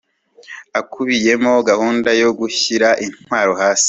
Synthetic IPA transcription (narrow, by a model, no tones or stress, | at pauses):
akʰuβije̞mo̞ɡahuːndajo̞ɡuçiɾaʔin̥waːɾo̞haːsi̥